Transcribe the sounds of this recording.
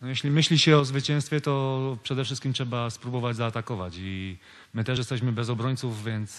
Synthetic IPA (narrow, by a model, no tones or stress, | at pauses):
nɔjɛɕlʲimɘɕlʲiɕɛɔzvɘt͡ɕɛñst̪fʲjɛt̪ɔpʂɛd̪ɛfʂɘst̪kʲimtʂɛbaspɾubɔvad͡ʑzaːt̪akɔvat͡ɕi | mɘt̪ɛjɛst̪ɛɕmɘbɛzɔbɾɔɲt̪suvːʲjɛnt̪s